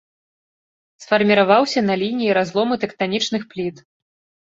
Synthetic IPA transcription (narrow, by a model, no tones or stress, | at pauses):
sfɐrmʲiɾavawsʲɐnɐlʲinʲijːɾazlˠɔmɨt̪ɛkt̪anʲit͡ʂnɨxplʲit̪